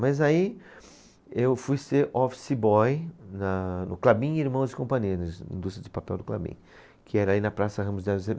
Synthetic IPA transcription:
mɐzai | ewfujseɾʔɔfsɪbɔjnɐnʊklabĩiɾmɐ̃w̃zɪkõmpɐ̃ɲiɐnɐĩd̪ust̪ɾɐd͡ʒɪpapɛwd̪ʊkla̰bḭ̃ | kʰɪɛɾɐlinɐpɾasɐɦɐ̃mʊzd̪ɛlze

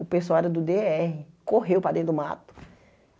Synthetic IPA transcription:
ʊpesoaɾʊd̪ʊd̪eɛhɪkoɦewpɾad̪ẽd̪ʊma̰t̪ʊ̥

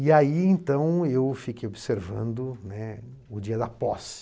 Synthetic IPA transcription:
iaiẽt̪ɐ̃w̃ewfikejobɪseɾvɐ̰̃nd̪ʊnɛ | ʊd͡ʒiɐd̪ɐpɔs

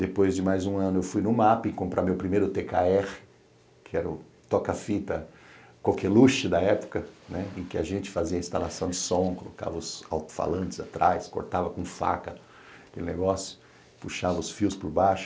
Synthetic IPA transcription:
d̪̥epojzd͡ʒɪmajzũɐ̃nʊewfujnʊmapɐɪ̃kõmpɾamewpɾimejɾʊt̪ekaɛʁɪ | kʰɪɛɾʊ | t̪ɔkɐfit̪ɐkawkɛluʃɪd̪ɐɛpʊ̥kɐnɛẽkɪaʒẽnt͡ʃɪ̥faziɐĩst̪alasɐ̃w̃d͡ʒɪsõkoloka̰vɐʊsa̰wt̪ʊ̥fa̰lɐ̃nt͡ʃɪza̰t̪ɾajsko̰ɾt̪avɐkõfa̰kɐ | kelɪneɡɔsjʊ̥ | puʃavɐʊsfiwspʊɾbaʃʊ̥

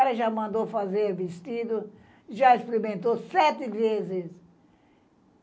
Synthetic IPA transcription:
ɛɾɐʒamɐ̃nd̪ofazeɾɐvist̪id̪ʊ | ʒaispeɾimẽnt̪osɛt̪ɪvezɪs

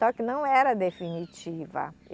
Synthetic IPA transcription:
ɔkɪnɐ̃w̃ɛɾɐd̪efinit͡ʃivɐ̰

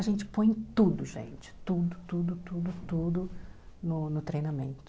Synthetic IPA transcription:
ɐʒẽnt͡ʃɪ̥põj̃t̪ud̪ʊʒḛ̃nt͡ʃɪ̥t̪ud̪ʊt̪ud̪ʊt̪ud̪ʊt̪ud̪ʊnʊnʊt̪ɾejnamẽnt̪ʊ

